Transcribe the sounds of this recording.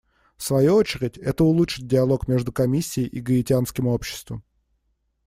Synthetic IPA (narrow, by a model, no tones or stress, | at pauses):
fsvɐjuot͡ɕɪɾʲɪtʲɛt̪əʊlˠutʂɨt̚ʲdʲɪɐlˠo̞kmʲe̞ʐd̪ʊkɐmʲisʲːɪɪjʔiɡəɪtʲɪanskʲɪmo̞pɕːɪ̥st̪vəm